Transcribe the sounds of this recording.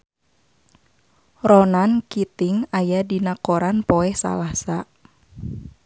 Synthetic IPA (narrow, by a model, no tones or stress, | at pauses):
rɔnankit̪ɪŋajadinakoɾanpoɛhsa̰lasa